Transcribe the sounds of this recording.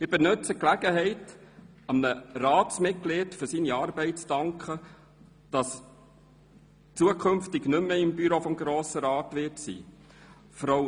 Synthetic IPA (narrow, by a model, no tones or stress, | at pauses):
ɪbənɵt͡səklæɡ̥əɦɛɪt | ɑmnəɾɑːtsmɪtkleːtfʏɾsiːniɑːɾbɛɪt͡stɑŋkχə | d̥ɑs | t͡suəkʰχɵmftɪɡnʏmːəɪmbyɾofɔmɡɾoːsəɾɑːtʋɪtsḭː | fɔɾɑw